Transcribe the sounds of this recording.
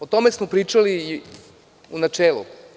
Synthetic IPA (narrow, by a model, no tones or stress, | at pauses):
ot̪o̞me̞smopɾiːt͡ʃali | unat͡ʃeːlṵ